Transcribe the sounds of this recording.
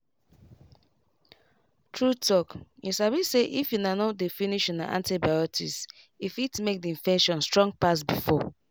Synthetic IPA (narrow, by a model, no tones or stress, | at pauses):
tʰɹutʰɔkjisaβiseʔifjunanɔdefiniʃɔna̰ʔã̰ntabajɔtʰḭs | ifitmek̚diĩɱfɛ̃nʃɔ̃nstɹɔ̃ŋɡ̚pas̬bifɔ